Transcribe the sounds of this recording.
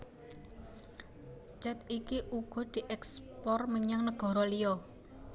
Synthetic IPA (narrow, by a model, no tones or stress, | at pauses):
d͡ʒɛt̪ikiʔuɡ̥ɔ̤d̪̥i̤ʔɛkspɔrməɲaŋnəɡ̥ɔ̤ɾɔlijɔ